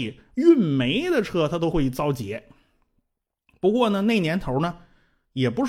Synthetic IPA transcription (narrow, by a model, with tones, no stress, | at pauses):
i˨˩y˥˩nme˧˥ɪd̪ə˨ʈ͡ʂʰɤ˥˩t̪ʰa˥t̪o˥ʊxwe˥˩t͡sɑ˥ʊt͡ɕjɛ̰˧˥ | pu˧˥kwɔ˥˩nə˩ne˥˩ɪnjɛ˧˥nt̪ʰo˧˥ʊnə˧ | jɛ˨˩pu˧˥ʂ